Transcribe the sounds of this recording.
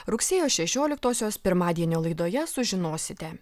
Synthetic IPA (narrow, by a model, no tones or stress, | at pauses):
ɾʊksʲeːjoːʃʲɛʃʲoːlʲɪk̚t̪oːsʲoːspʲɪɾmɑːd̪ʲiɛnʲoːlˠɐɪd̪oːjɛsʊʒʲɪnoːsʲɪt̪ʲɛ